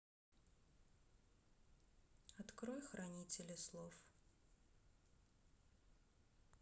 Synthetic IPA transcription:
ɐt̪kɾojxɾʔɐnʲitʲɪlʲɪslˠof

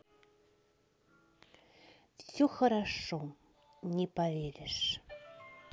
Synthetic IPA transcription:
fsʲoxəɾɑʂo | nʲepavʲeɾʲeʃ

